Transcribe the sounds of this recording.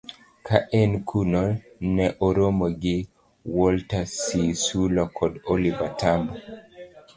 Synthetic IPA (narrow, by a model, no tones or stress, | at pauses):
kaʔɛnkʰuno | nɛʔoɾomoɡɪ | wɔltasisulɔkʰɔdolivatʰambɔ